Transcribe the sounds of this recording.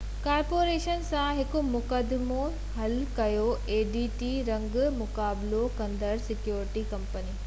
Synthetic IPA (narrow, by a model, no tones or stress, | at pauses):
kaːɾpoːɾeːʃənsãɦɪkʊ̆mʊkəd̪ɪmo | ɦɐlkɐjoeːɖiʈiɾɐ̃ŋɡʊmʊkaːbɪlokɐ̃nd̪əɾsɪkjoːɾɪʈikɐ̃mpəniː